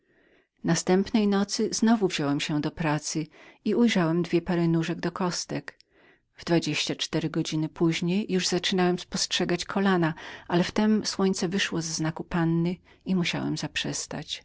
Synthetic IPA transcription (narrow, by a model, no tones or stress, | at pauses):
nast̪ɛmpnɛjnɔt̪sɘznɔvuvʑɔwɛmɕɛd̪ɔpɾat̪sɘiujʐawɛmd̪vʲjɛpaɾɛnuʐɛɡ̚d̪ɔkɔst̪ɛk | vd̪vad͡ʑeɕt͡ɕat͡ʂt̪ɛɾɘɡɔd͡ʑinɘpuʑɲejːuʐzat͡ʂɘnawɛmspɔstʂɛɡat͡ɕkʰɔlanaʔalɛft̪ɛmswɔɲt̪sɛvɘʂwɔzɛznakupanːɘ | imuɕa̰wɛ̰mzapʂɛst̪a̰t͡ɕ